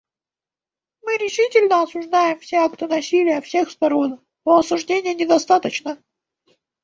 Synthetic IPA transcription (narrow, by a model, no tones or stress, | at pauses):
mɨɾʲɪʂɨtʲɪlʲnəɐsʊʐd̪ajɪmfsʲeakt̪ənɐsʲilʲɪjəfsʲe̞xst̪ɐɾon | oɐsʊʐdʲenʲɪjənʲɪd̪ɐst̪at̪ət͡ɕnə